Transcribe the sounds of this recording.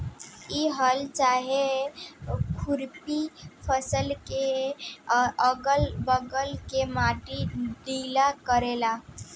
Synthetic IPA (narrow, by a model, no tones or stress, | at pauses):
iɦəlt͡ʃaɦe | kʰuɾpipʰəsəlke | əɡəlbəɡəlkemaʈiɖilakəɾela